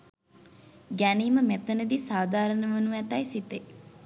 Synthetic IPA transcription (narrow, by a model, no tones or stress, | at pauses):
ɡæniːməmet̪ənəd̪isaːd̪aːɾənəʋənuʋæt̪ɐjsit̪e